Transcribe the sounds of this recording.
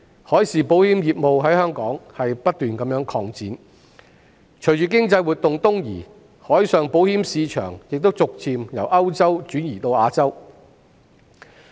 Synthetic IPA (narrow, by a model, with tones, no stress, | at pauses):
hɔː˨˥jsiː˨po˨˥whiː˥mjiː˨p̚mo˨wɦɐ˨˥jhœː˥ŋkɔː˨˥ŋhɐ˨jpɐ˥t̚t̪yː˨nkɐ˨˥mjœː˨˥ŋkʰɔː˧ŋt͡siː˨˥n | t͡ʃʰɵ˨˩t͡ʃyː˨˩kɪ˥ŋt͡sɐ˧jwuː˨t̚t̪ʊ˨ŋt̪ʊ˥ŋjḭː˨˩ | hɔː˨˥jsœː˨ŋpo˨˥whiː˥msiː˨˧t͡ʃʰœ̰ː˨˩ŋjɪ˨k̚t̪o˥wt͡sʊ˨k̚t͡sʰiː˨mjɐ˨˩wʔɐ˥wt͡sɐ˥wt͡ʃyː˨˥njiː˨˩t̪o˧waː˨˧t͡sɐ˥w